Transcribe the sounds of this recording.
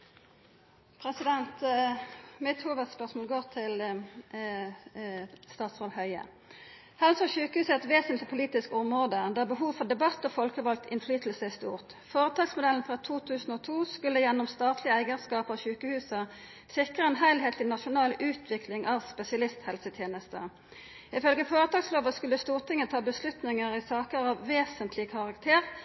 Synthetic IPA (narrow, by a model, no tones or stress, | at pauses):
pʰʁɛsɪd̪ɛnt̪ | mɪt̪huːʋəd̪spœʁsmoːlɡoːʁt̪ʰɪl | st̪ɑːt̪sʁolhœʏə̰ | hɛlsɔçʉːkəhʉːsɛt̪ʋeːsənt̪lɪpʰʊliːt̪ɪskɔmʁoːd̪əd̪æːbəɦuːʋfɔʁd̪ɛbɑt̪ːɔːfɔlkəʋɑlk̚t̪ʰɪnflyːt̪l̩səɪst̪ṵːʁt̪ | foːʁət̪ʰɑːɡsmʊd̪ɛln̩fʁɑːt̪ʰuːt̪ʰʉːsn̩oːt̪ʰuːskʉlːəjɛnːɔmst̪ɑːt̪ʰlɪæɪɡəskɑːpɑʋçʉːkəhʉːsə | sɪkʁəɛnɦæɪlɦeːt̪ʰɪnɑʃʊnɑːlʉːt̪ʰʋɪklɪŋʔɑːʋspɛsɪɑlɪst̪hɛlsət̪ʰjeːnəst̪ə̰ | ɪfœlɡəfoːʁət̪ʰɑːɡsloːʋəskʉlːəst̪uːʁt̪ʰɪŋːət̪ʰɑːbəslʉt̪nɪŋəʁɪsɑːkəʁɑʋːeːsənt̪ʰlɪkʰɑʁɑkt̪ʰeːʁ